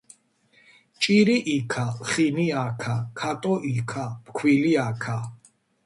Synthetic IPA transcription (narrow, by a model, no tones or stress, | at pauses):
t͡ʃʼiɾiʔikʰaχiniakʰakʰat̪ʼɔʔikʰapkʰwiliakʰa